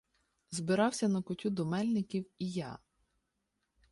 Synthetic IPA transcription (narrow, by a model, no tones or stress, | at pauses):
zbɪɾɑwsʲɐnɐkɔtʲud̪ɔmɛlʲnɪkʲiwijɑ̰